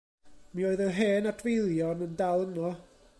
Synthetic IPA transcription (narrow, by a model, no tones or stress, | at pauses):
mioːɨðəɦeːnad̥ʰvejlˠjɔnəndalˠənɔ